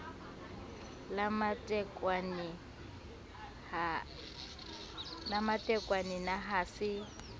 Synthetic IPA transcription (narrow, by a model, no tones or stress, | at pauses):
lamatʼɛkʼwan | namatʼɛkʼwaninaɦasɪ